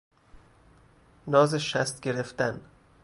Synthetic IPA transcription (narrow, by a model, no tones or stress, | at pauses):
nɒːzeʃæst̪̚ɡeɾeft̪æn